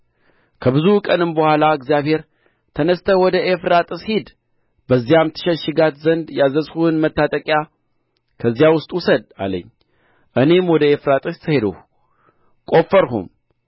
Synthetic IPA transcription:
kʰəbɨzukʼənɨmbəhʷalaɨɡzijaβhe̞ɾ | t̪ʰənəst̪ʰəwɔd̪əʔefɾat̪ʼɨshid̪ | bəzːijamt̪ʰɨ̥ʃəʃɪɡat̪zənd̪jazəshuhɨnmət̪ːat̪ʼəkʼja | kʰəzːjawʊst̪ʼwusəd̪̚a̰lə̰ɲː | ʔɨne̞mwɔd̪əefɾat̪ʼɨst̪ʰɨhe̞d̪ə̰h | kʼo̞fːəɾɦṵm

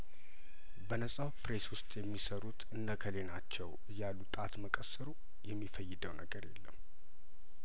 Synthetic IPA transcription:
bənəsʼawpɾeswʊst̪ʼjɛmːisəɾut̪ʰɨnːəkʰəlenat͡ʃːɛwɨjːalːut̪ʼat̪məkʼəsɨɾu | jɛmːifəjːɪd̪əwnəɡəɾjɛ̰lːəmː

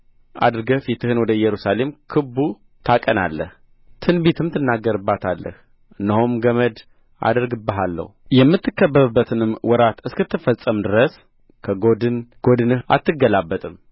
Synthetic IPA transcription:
ʔa̰d̪ɨɾɡəfit̪ʰɨhɨnwɔd̪əjɛɾusale̞mkʰɨbːu | t̪ʰakʼəna̰lːə̰h | t̪ʰɨnbet̪ʰɨmt̪ʰɨnːaɡːəɾɨbːat̪ʰalːə̰h | ɨnːəhomɡəməd̪ | ʔa̰d̪əɾɡɨbːəɦalːə̰hujɛmːɨt̪ːɨkːəbːəβɨbːət̪ʰɨnɨmwɔɾat̪ɨskɨt̪ʰːɨfəsʼːəmd̪ɨɾəs | kʰəɡod̪ɨnɡ̥od̪ɨnɨha̰t̪ːɨɡːəlabːət̪ʼɨm

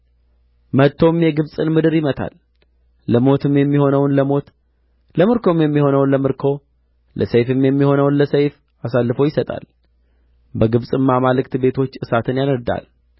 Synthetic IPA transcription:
mət̪ʰːo̞mjɛɡɨβsʼɨnmɨd̪ɨɾjɪmət̪ʰa̰lː | əmo̞t̪ʰɨmjɛmːiho̞nəwnləmo̞t̪ | ləmɨɾkʰo̞mjɛmːiho̞nəwnləmɨɾkʰo̞ | lʔə̰səjfɨmjɛmːiho̞nəwnləsəjf | asalːɨfowjɪsət̪ʼa̰l | bəɡɨβsʼɨmːamalɨkt̪be̞t̪ʰo̞t͡ʃːʔɨsat̪ʰɨnjanəɾd̪a̰l

